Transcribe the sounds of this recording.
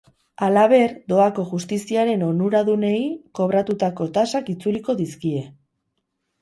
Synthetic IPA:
alaβ̞e̞ɾd̪o̞ako̞ʝust̪isiaɾe̞no̞nuɾaðune̞jko̞β̞ɾat̪ut̪ako̞t̪asakit͡suliko̞ðiskie̞

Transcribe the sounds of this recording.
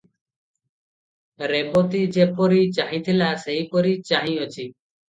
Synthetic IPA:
ɾebot̪id͡ʒepɔɾit͡ʃaɦĩt̪ʰilaseɦikɔɾit͡ʃaɦĩɔt͡ʃʰi

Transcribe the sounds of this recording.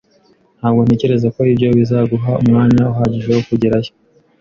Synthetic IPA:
n̥haːbɡo̞nece̞ɾe̞zako̞ibɟo̞βizaɡuɦaumŋaːɲauɦaːɟiʒewokuɟeɾajo̥

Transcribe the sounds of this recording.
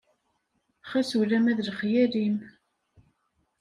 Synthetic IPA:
χæsulæmæðlχjælim

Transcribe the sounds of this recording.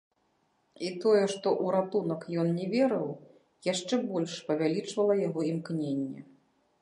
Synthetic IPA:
it̪ɔjɛʂt̪ɔʔuɾat̪unɐkjɔnnʲɛvʲeɾɨw | jaʂt͡ʂɛbɔlʲʂpɐvʲalʲit͡ʂvɐlˠɐjaɣɔimknʲenʲːɛ̰

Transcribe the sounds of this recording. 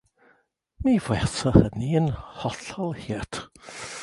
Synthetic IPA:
mivwɛrsɔhəniənhɔɬɔlˠhiːtʰ

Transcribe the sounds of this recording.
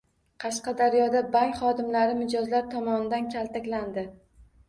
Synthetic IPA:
qʰɑʃqɑd̪aɾjɒd̪abaŋkʲχɒd̪ɪmlaɾɪmɪd͡ʒɒzlaɾt̪ʰɒmɒnɪd̪ankʲʰalt̪ʰakʲland̪ɪ

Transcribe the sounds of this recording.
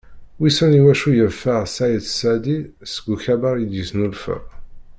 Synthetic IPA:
wisəniwæʃujəfəʁsajət̪sæd̪isɡuçæbaʁid̪jəsnulfə̰ʁ

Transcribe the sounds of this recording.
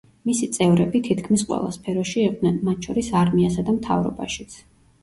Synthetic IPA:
misit̪sʼɛvɾɛbit̪ʰit̪ʰkʰmisqʼwɛ̰lˠa̰spʰɛɾɔʃiɛqʼnɛnmat̪̚ʰʃʰɔɾisaɾmiasad̪amt̪ʰa̰vɾɔ̰baʃi̥t̪sʰ

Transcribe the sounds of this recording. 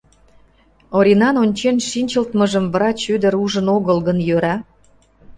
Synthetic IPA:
oɾʲinɑnonʲt͡ɕenʃinʲt͡ɕəlt̪məʒəmvəɾɑt͡ɕyd̪ə̆ɾuʒənoɣəlɣənjøɾɑ

